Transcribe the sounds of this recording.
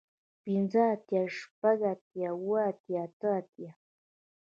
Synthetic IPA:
pinzat̪jaʂpaɡat̪jawat̪jat̪aat̪ja

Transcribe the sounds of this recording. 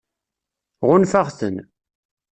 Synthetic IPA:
ʁʊnfaʁθən

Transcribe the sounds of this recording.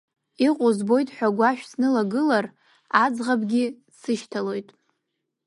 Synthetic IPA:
iqʼʊzbo̞jtʼħʷᶣaɡʷaʃᶣsnɨlaɡɨlar | ad͡zʁabɡʲi | sɨʃtʰalo̞jtʼ

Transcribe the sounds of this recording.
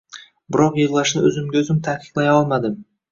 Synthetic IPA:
bɪɾɒqjeʁlˠɑʃnɪɵzɪmɡʲaɵzɪmt̪ʰahkʰʲɪ̥q̪lˠajɒlˠmad̪ɪm

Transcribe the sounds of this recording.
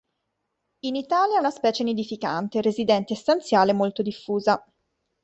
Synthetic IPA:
init̪aːljaunaspɛːt͡ʃened̪ifika̰nt̪erezid̪ɛnt̪eːst̪ant̪sjaːlemolt̪od̪ifːuːza

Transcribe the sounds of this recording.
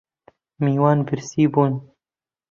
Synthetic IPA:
miːwɑːnbɪɾsiːbuːn

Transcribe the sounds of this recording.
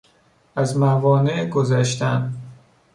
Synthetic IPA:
æzmævɒːneʔɡozæʃt̪æm

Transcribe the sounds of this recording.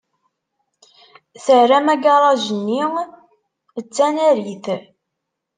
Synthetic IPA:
θərːæmæɡɑɾˤɑʒənːi | ət͡sːænæɾiθ

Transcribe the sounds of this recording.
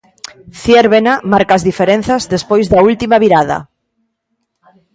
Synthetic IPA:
θjeɾβenamaɾkaːzðifeɾen̟θazðespojzðɐult̪imaβiɾað̞ɐ̰

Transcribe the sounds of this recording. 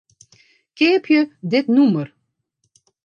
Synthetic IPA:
keːpʰjəd̪ɪtnumər

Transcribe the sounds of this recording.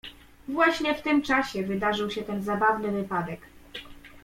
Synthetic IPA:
vwaɕɲɛft̪ɘmt͡ʂaɕɛvɘd̪aʐɘwɕɛt̪ɛnzabavnɘvɘpad̪ɛk

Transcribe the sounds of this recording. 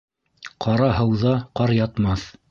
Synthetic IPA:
qʰɑɾɑɦɤ̆wðɑqɑɾjɑt̪mɑθ

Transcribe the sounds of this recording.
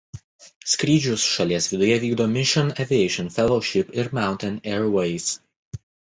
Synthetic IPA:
sʲkɾʲiːd͡ʒʲʊsʃɐlʲiɛsʋʲɪd̪ʊjɛʋʲiːɡd̪oːmʲɪʃʲɔnɛʋʲiɛɪʃɔnfʲɛlˠɔʊʃʲɪpɪɾmʲaˑʊnʲt̪ʲɛnɛɾwɛɪs

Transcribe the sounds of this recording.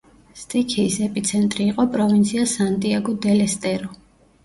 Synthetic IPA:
st̪ʼikʰiːsɛpʼit̪sʰɛnt̪ʼɾiːqʼɔpʼɾɔvint̪sʰiasant̪ʼiaɡɔd̪ɛlɛst̪ʼɛɾɔ

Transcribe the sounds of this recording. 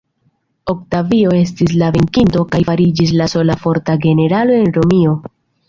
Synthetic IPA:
o̞ktavio̞e̞s̬tis̬laveŋkinto̞kajfaɾid͡ʒis̬laso̞lafo̞ɾtaɡe̞ne̞ɾalo̞e̞nɾo̞mio̞

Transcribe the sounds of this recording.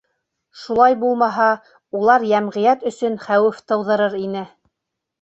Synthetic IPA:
ʃulˠɑjbulˠmɑɦɑ | ulˠɑɾjæmʁɘ̆jæt̪ɵ̆sɵnχæwɘft̪ɤ̆wðɤ̆ɾɤɾinɘ

